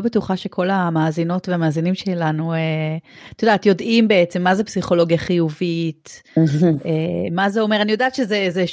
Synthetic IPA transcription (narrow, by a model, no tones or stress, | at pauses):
obetuχaʃe̞kʰo̞lamaːzino̞tveamaːzinimʃelanueat̪odaːt̪jo̞dimbe̞et͡se̞mːazepsiχo̞lo̞ɡjaχijuvit | emazeo̞me̞ʁanijo̞daːt̪ʃezeze